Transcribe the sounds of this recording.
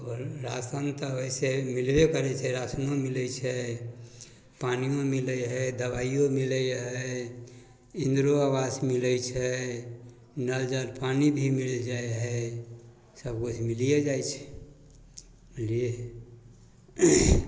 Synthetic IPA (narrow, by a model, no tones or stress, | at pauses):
ɔɾːasənt̪əoisemilbekəɾɛt͡ʃʰɛɾasnõmilɛt͡ʃʰɛ | panijõmiləjɦɛd̪əbaijõmiləjɦɛ | ĩnd̪ɾoawasmiləjt͡ʃʰɛ | nəld͡ʒaɾpanibʱimild͡ʒajɦɛ | səb̚kut͡ʃʰmilijed͡ʒajt͡ʃʰɛ̥ | mlie